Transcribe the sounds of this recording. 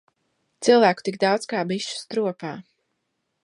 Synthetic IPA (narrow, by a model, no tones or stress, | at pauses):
t̪sɨlˠvæːku̥t̪ik̚d̪awd̪skaːbiʃu̥st̪ɾuɔpaː